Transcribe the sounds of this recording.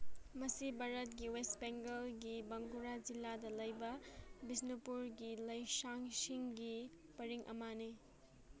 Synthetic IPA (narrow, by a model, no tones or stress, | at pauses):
mɐsibaɾɐt̚ɡiwestbeŋɡɐlɡibɐŋɡuɾad͡ʒilːadɐlɐjbɐbisnupuɾɡilɐjsaŋsiŋɡi | pɐɾiŋʔɐ̰mane